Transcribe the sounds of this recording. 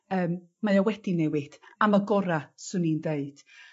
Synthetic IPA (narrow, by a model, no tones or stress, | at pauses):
əːm | majawɛd̥inɛwɪd̥amaɡɔɾasɨnindeɨd̥